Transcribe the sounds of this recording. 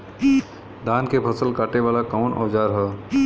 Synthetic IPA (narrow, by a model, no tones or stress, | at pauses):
d̪aːnkepʰɐsəlkaːʈeʋaːlakaʊnʔɔ̰ːd͡ʒaːɾɦɛː